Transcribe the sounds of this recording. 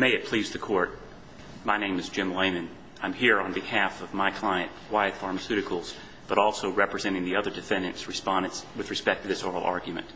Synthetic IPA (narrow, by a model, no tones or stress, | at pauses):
meɪɨt̚pʰl̥izðɨkʰɔɹt̚ | maɪnẽɪ̃mɨzd͡ʒɪ̃mlẽɪ̃mɨ̃n | ãɪ̃mɦiɹə̃nbɨhæfʌvmaɪkʰl̥aɪɨ̃nʔ̚waɪɨd̥fɑɹmɨsʉɾɨkʰl̩ˠz̥ | b̥ʌɾɔlˠsoʊɹɛpɹɨzɛ̃ɾ̃ɪ̃ŋðiʌðə˞dɨfɛ̃ndɨ̃ntsɹɨspɑ̃ndɨ̃ntswɨðɹɨspɛk̚tʰɨðɪsɔɹl̩ˠɑ̰ɹɡjmɨ̰̃nt̚